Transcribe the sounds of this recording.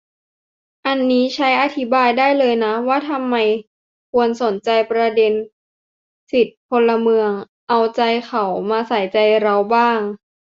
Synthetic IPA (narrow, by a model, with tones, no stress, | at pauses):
ʔa˧nːiː˦˥t͡ɕʰa˦˥jʔa˧t̪ʰi˦˥baː˧jdaː˥˩jlɤː˧jna˦˥waː˥˩t̪ʰa˧mːa˧j | kʰu˧ənso˩˦nt͡ɕa˧jpɾa˧de˧n | si˨˩t̪̚pʰo˧la˧mɯ˧əŋ | ʔa˧wt͡ɕa˧jkʰa˨˩wmaː˧sa˨˩˦jt͡ɕa˧jɾa˧wbaː˥˩ŋ